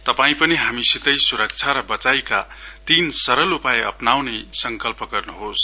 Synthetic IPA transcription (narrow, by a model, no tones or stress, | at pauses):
t̪ʌpaĩpʌniɦamisit̪ʌjsuɾʌk̚t͡sʰaɾʌbʌt͡sajkat̪insʌɾʌlupaeʌpnawnesʌŋkʌlpʌɡʌrnuɦos